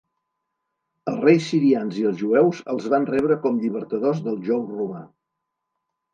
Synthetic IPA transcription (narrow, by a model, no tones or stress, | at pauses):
əlˠrejsːiɾianziəlˠzʒuɛwzə̰lˠzβanrɛβɾəkɔmʎiβəɾt̪əðozðəlˠʒɔwruma